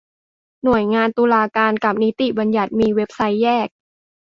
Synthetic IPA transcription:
nu˨˩əjŋaː˧nt̪uː˧laː˧kaː˧nka˨˩p̚ni˦˥t̪i˨˩ba˧nja˨˩t̪̚miː˧we˦˥p̚sa˦˥jːɛː˥˩k̚

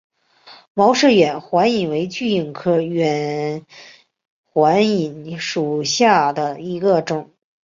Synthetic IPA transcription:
mɑ˧˥ʊʂɻ̩˥˩ɥɛ˨˩˦nxwa˧˥ni˨˩nwe˧˥ɪt͡ɕy˥˧˩i˥˩ŋkʰɤ˥ɥɛ˨˩n | xwa˧˥ni˨˩nʂu˨˩ɕja˥˩d̪ə˩i˧˥ɡə˧ʈ͡ʂʊ˨˩˦ŋ

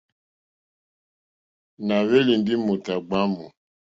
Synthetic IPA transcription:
na˨βɛ˦li˨n˦di˦mo˨ta˨ɡ͡ba˦mɔ˨

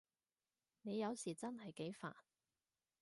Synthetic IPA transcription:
ne˨˧jɐ˨˧wsiː˨˩t͡sɐ˥nhɐ˨jke˨˥jfa̰ː˨˩n

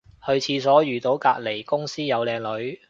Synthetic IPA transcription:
hɵ˧ɥt͡sʰiː˧sɔː˨˥jyː˨t̪o˨˥wkaː˧t̚le˨˩jkʊ˥ŋsiː˥jɐ˨˧wlɛː˨˧ŋlɵ˨˥ɥ

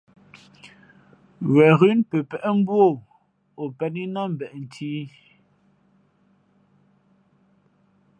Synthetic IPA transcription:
wɛ˨ɣʉ˦npɛ˨pɛ˨ʔɛ˦m̩˦bwo˦˨ | o˨pɛ˦˨ni˦na˦m̩˨bɛ˨ʔn̩˨tʰiː˦

